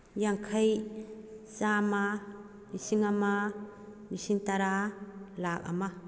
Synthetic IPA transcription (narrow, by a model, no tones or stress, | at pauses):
jaŋkʰaj | sama | misiŋama | misiŋtaɾalak̚a̰ma